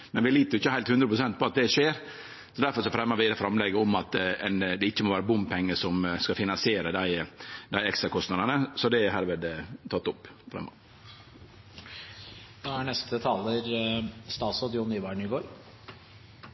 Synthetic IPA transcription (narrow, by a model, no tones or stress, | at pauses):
mɛnʋɪliːt̪əɾjʊɪçːəhæɪlt̪hʉnd̪ɾəpʰɾʊsɛnt̪̚pʰɔɑt̪̚d̪ɛʂeːɾ | sɔd̪æɾfɔɾʂɔfɾɛmːəɾʋɪd̪ɛfɾɑmlɛɡəɔmɑt̪ːɛnd̪ɛɪçːəmɔʋæːɾəbʊmpʰɛŋːəsɔmskɑfɪnɑnsɪeːɾəd̪æɪd̪æɪɛkst̪ɾɑkʰɔst̪nɑd̪ənəsɔd̪ɛhɑːɾʋɛːd̪t̪ʰɑt̪ːɔpːfɾɛ̰mːɔ̰ | noːæɳɛst̪ʰət̪ʰɑːləɾst̪ɑːsɔd̪juːnyːʋæɳɪɡoːɾ